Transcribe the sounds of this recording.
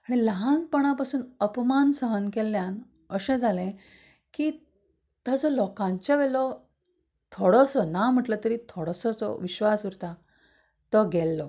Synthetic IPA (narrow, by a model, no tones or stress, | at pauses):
aɽ̃iləɦanpəɽ̃apasuːnəpmansəɦənkɛljãn | əɕẽd͡zʱalẽ | kiː | t̪jad͡zɔlɔkãɲt͡ɕjaʋɛlɔ | t̪ʰoɽɔsɔnam̤əʈlət̪əɾit̪ʰoɽɔsɔt͡sɔ̰ʋiɕʋasʋuɾt̪a | t̪ɔɡɛlːɔ